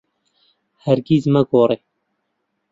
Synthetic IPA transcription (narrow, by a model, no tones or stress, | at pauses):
hɛɾɡiːzmɛɡoːɾeː